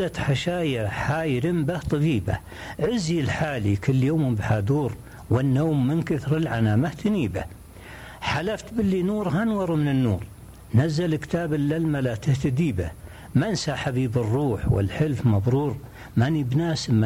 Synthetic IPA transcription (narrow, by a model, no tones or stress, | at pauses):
at̪ħaʃaːjaħaːjɾɪmbaht̪ˤɑbiːba̰ | ʕɪzilħaːlikɪlːjoːmbħad̪uːɾ | wɪnːoːmːɪnkɪθɾɪlʕanaːmaht̪ɪniːba | ħalaft̪bɪlːinuːɾɦanwɑɾˤumɪnɪnːuːɾ | nazːalɪkt̪aːbɪlːalmalat̪ɪht̪ad̪iːba | mansaħabiːbɨrːuːħwɪ̰lħɪlfmɑbˤɾuːɾ | manibnaːsmːa